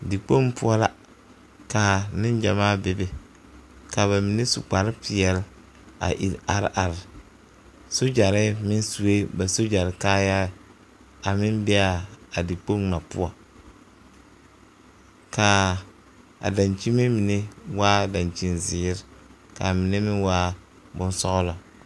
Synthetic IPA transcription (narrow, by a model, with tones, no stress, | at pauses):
di˨k͡po˦ŋ˦pʊ˦ɔ˦la˦ | ka˨nɪ˦n˦d͡ʒa˨maː˦bɪ˦bɪ˨ | ka˨βa˨mɪ˨ne˦sṵ˨k͡pa˨ɾɪ˦pɪ˨ɛ˨l | a̰˨ʔḭ˨a˨ɾ̰ʔa˨ɾɪ˨ | so˦d͡ʒa˨ɾɪ˦mɪ˦n˦su˨e˦ba˨so˦d͡ʒa˨ɾɪ˨kaː˦ja˦˨ | a˨mɪ˦nbɛ˦a˨a˨dɪ˨k͡po˦ŋna˨pʊ˦a˨ | ka˨ | a̰˨da˨nt͡ʃi˦me˦mi˨ne˦waː˦da˨nt͡ʃi˦nzɪː˨˦ɾɪ˦ | ka˨mɪ˨ne˦mɪ˦nwaː˦ | bʊ˦n˦sɔ˦ɣʊ˦la˨